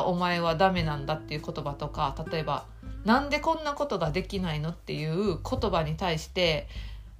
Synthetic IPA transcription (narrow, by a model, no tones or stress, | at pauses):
o̞mae̞β̞ad̪ame̞nãnd̪at̪ːe̞jɯ̟ko̞t̪o̞bat̪o̞kat̪at̪o̞e̞ba | nãnd̪e̞kõ̞nːako̞t̪o̞ɡad̪e̞kʲinaino̞t̪ːe̞jɯ̟ːɯkʰo̞t̪o̞baɲ̟it̪aiɕi̥t̪e̞